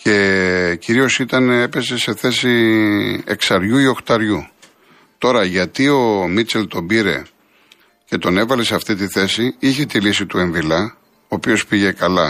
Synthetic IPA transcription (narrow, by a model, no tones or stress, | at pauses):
ce̞ciɾio̞sit̪ɐnee̞pe̞se̞se̞θe̞si | e̞̰ksɐɾʝuio̞xt̪ɐɾʝu | t̪o̞ɾɐʝɐt̪io̞mit͡se̞lt̪o̞mbiɾe̞̰ | ce̞t̪o̞ne̞vɐle̞seɐft̪it̪iθe̞siiçet̪ilisit̪ue̞ɱvilɐ | oːpio̞spiʝe̞kɐlɐ